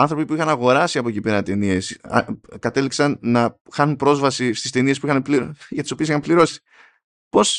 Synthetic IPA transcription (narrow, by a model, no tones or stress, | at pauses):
ɐnθɾo̞pipuixɐnɐɣo̞ɾɐsiɐpocipe̞ɾɐt̪e̞niesɐ̰kɐt̪e̞liksɐnnɐxɐnunpɾo̞zvɐsist̪ist̪e̞nie̞spuixɐnpliɾʝɐt̪i̥so̞pisixɐmpliɾo̞si̥ | po̞s